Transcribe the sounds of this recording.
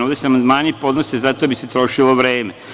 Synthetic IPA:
oʋd̪esamand̪maːɲipo̞d̪nosezat̪obiset̪ɾo̞ʃiloʋɾeːme

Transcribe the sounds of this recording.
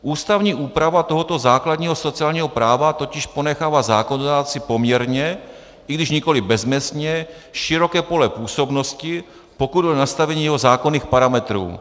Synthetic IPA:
ʔuːst̪avɲiːʔuːpɾavat̪oɦot̪o̞zaːkladɲiːɦo̞so̞t͡sɪaːlɲiːɦo̞pɾaːvat̪o̞cɪʃpo̞nɛxaːvazaːkonod̪aːt͡sɪpo̞mɲɛɾɲɛ | ʔɪɡdɪʃɲɪko̞lɪbɛzmɛst̪ɲɛ | ʃɪɾokɛːpo̞lɛpuːso̞bno̞scɪ | po̞kud̪ʔonast̪avɛɲiːjɛɦo̞zaːkoniːxpaɾamɛt̪ɾṵː

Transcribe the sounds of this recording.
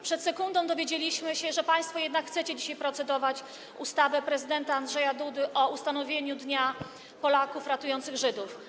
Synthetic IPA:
pʂɛt̪sɛkund̪ɔ̃w̃d̪ɔvʲjed͡ʑelʲiɕmɘɕɛʐɛpaj̃st̪fɔjɛd̪nakxtsɛt͡ɕɛd͡ʑiɕajpɾɔt̪sɛd̪ɔvat͡ɕ | ṵst̪avɛpɾɛzɘd̪ɛnt̪aːndʐɛjad̪ud̪ɘʔɔust̪anɔvʲjeɲud̪ɲa | pɔlakufɾat̪ujɔnt̪sɘɣʐɘd̪uf

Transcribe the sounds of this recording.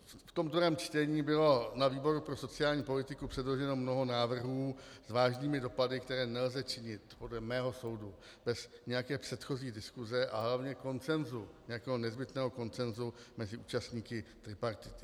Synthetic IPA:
ft̪o̞md̪oɾɛːmt͡ʃt̪ɛɲiːbɪlo̞naviːbo̞ɾupɾoso̞t͡sɪaːlɲiːpo̞lɪt̪ɪkupr̥ɛdlo̞ʒɛno̞mno̞ɦo̞naːvr̩ɦuːzvaːʒɲiːmɪdo̞padɪkt̪ɛɾɛːnɛlzɛt͡ʃɪɲɪt̪po̞dlɛmɛːɦo̞so̞wdu | b̥ɛsɲɛjakɛːpr̥ɛt̪xo̞ziːdɪskuzɛʔa̰ɦlavɲɛko̞nt͡sɛnzuɲɛjakɛːɦo̞nɛzbɪt̪nɛːɦo̞ko̞nt͡sɛnzumɛzɪʔuːt͡ʃast̪ɲiːkɪt̪ɾɪpaɾt̪ɪt̪ɪ̥

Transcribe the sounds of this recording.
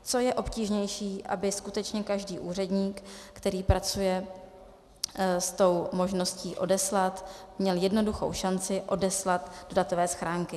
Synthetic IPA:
t͡so̞jɛʔo̞pciːʒɲɛjʃiːʔa̰bɪskut̪ɛt͡ʃɲɛkaʒdiːʔuːr̝ɛdɲiːkːt̪ɛɾiːpɾat͡sujɛ | st̪o̞wmo̞ʒno̞sciːʔo̞dɛslat̪ | mɲɛljɛdno̞duxo̞̰wʃant͡sɪʔo̞dɛslat̪do̞dat̪o̞vɛːsxɾaːŋkɪ

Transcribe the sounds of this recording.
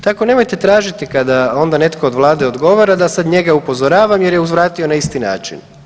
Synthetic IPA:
t̪ako̞ne̞mo̞jt̪e̞t̪ɾaːʒit̪ikad̪ao̞nd̪ane̞t̪kʰo̞od̪ʋlˠaːd̪eo̞d̪ɡo̞ʋaɾad̪asad̪ɲe̞ɡaupo̞zoɾaːʋamjeɾjeuzʋɾaːt̪io̞naist̪ina̰ːt͡ʃḭn

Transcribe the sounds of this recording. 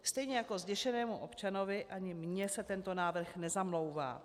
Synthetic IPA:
st̪ɛjɲɛjako̞zɟɛʃɛnɛːmuʔo̞pt͡ʃano̞vɪʔaɲɪmɲɛsɛt̪ɛnt̪o̞naːvr̩xnɛzamlo̞wva̰ː

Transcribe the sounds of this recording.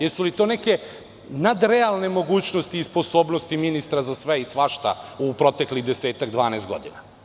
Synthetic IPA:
jesulit̪o̞ːneke̞ | nad̪ɾealˠne̞mo̞ɡuːt͡ɕno̞st̪iːspo̞so̞ːbnost̪iminist̪ɾazasʋeisʋaʃt̪a̰upɾo̞t̪ekliɣd̪eseːt̪aɡd̪ʋaːnest̪ɡo̞̰d̪ina

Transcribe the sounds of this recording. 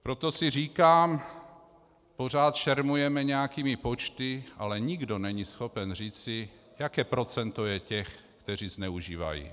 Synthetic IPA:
pɾot̪o̞sɪriːkaːm | po̞r̝aːt̪ʃɛɾmujɛmɛɲɛjakiːmɪpot͡ʃt̪ɪʔalɛɲɪɡdo̞nɛɲisxo̞pɛnriːt͡sɪ | jakɛːpɾo̞t͡sɛnt̪o̞jɛcɛxkt̪ɛr̝iːznɛuʒiːva̰jḭ

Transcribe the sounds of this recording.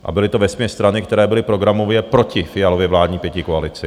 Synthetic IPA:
ʔa̰bɪlɪt̪ovɛsmʲɲɛst̪ɾanɪk̚t̪ɛɾɛːbɪlɪpɾo̞ɡɾamo̞vjɛpɾo̞cɪfɪjalovjɛvlaːd̪ɲiːpjɛcɪkoalɪt͡sɪ

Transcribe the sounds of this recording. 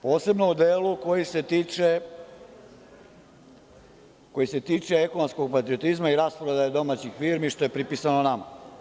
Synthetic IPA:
po̞ːse̞bno̞ud̪eːluko̞jise̞t̪it͡ʃe | ko̞jise̞t̪iːt͡ʂeekonomsko̞ɡ̚pat̪ɾio̞t̪izmaiɾaspoɾed̪ajed̪o̞maːt͡ɕixfiːɾmiʃt̪o̞je̞pɾipisanonama̰

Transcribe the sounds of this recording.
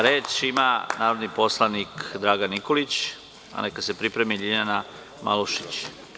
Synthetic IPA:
ɾeːt͡ʃimanaːɾod̪nipo̞slˠanikd̪ɾaːɡanikolit͡ɕ | a̰nekad̪se̞pɾipɾemiʎiɲana | mʔa̰luʃi̥t͡ɕ

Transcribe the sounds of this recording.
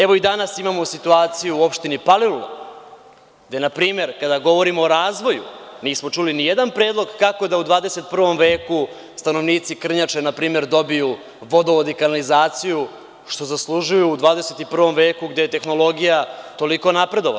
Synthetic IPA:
eʋo̞id̪anasimamo̞sit̪uaːt̪sijuuo̞pʃt̪inipalilula̰ | ɡd̪enapɾiːme̞ɾkad̪aɡo̞ʋo̞ɾimoːɾaːzʋo̞jṵniːsmo̞t͡ʂulinijed̪anpɾe̞ːd̪lˠo̞ɡkako̞d̪aud̪ʋaːd̪e̞se̞t̪̚pr̩ʋo̞mʋe̞ːku | st̪ano̞ʋniːt̪sikr̩ɲat͡ʂenapɾiːme̞ɾd̪o̞biju | ʋo̞d̪oʋod̪ikanalizaːt̪siju | ʃt̪o̞zaslˠuʒujuːd̪ʋaːd̪ese̞t̪ipr̩ʋo̞mʋeːkuɡd̪e̞je̞t̪e̞xno̞lˠo̞ɡijat̪o̞liko̞napɾe̞d̪o̞ʋa̰

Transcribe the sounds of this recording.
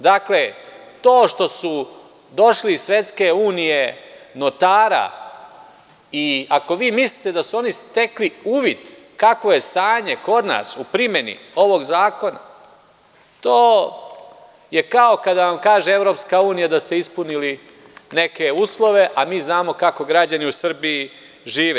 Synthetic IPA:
d̪akle̞t̪o̞ːʃt̪o̞su | d̪o̞ʃlisːʋe̞t̪ske̞uːnije̞not̪aːɾa̰ | iako̞ʋiːmislit̪e̞d̪asuo̞nist̪e̞kliuːʋid̪ | kakʋo̞je̞st̪aːɲe̞ko̞d̪na̰ːsupɾime̞nḭo̞ʋo̞ɡzaːko̞na̰ | t̪oː | je̞kao̞kad̪aʋamkaːʒee̞ʋɾo̞ːpskauːnijad̪ast̪e̞ispunili | ne̞ke̞uːslˠo̞ʋe̞ʔamiːznaːmo̞kako̞ɡɾad͡ʑaniusr̩bii | ʒiːʋe

